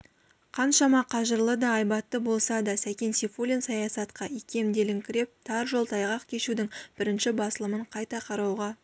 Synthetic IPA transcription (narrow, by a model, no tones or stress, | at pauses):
qʰɑnʃɑmɑqʰɑʒəɾlˠəd̪ɑːjbɑt̪ːəbo̞lˠsɑd̪ɑsækʲe̞nsifulʲinsɑjɑsɑt̪qɑʔikʲʰe̞md̪e̞lɪŋkʲʰɪɾe̞p̚t̪ʰɑɾʒo̞lˠt̪ʰɑjʁɑqkʲʰe̞ʃud̪ɪŋb̥ɪɾɪnʃɪbɑsəlˠəməɴqʰɑjt̪ɑqʰɑɾɑwʁɑ